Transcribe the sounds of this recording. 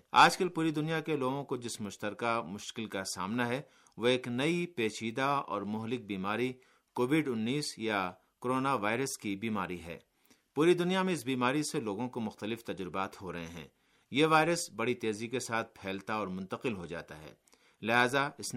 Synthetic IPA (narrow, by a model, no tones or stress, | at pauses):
a̰ːd͡ʒkɐlpuːɾid̪ʊnijakeloːɡõkod͡ʒɪsmʊʃt̪əɾkamʊʃkɪlkasa̰ːmnaɦɛ | ʋoeːknɐipeːʃiːd̪aɔ̰ːɾmʊɦlɪk̚biːmaːɾi | koːʋɪɖʊnːiːsja | koɾoːnaʋaːɪɾəskibiːmaːɾiɦɛ̰ː | puːɾid̪ʊnijamẽɪs̬biːmaːɾiseloːɡõkomʊxt̪əlɪft̪ɐd͡ʒɾɪbaːt̪ɦoɾɐɦḛ̃ɦɛ̰̃ː | jeʋaːɪɾəsbɐɽit̪eːzikesaːt̪̚ʰpʰɛːlt̪aɔːɾmʊ̃nt̪əqɪlɦod͡ʒa̰ːt̪a̰ɦɛ̰ː | lɪɦaːzaɪs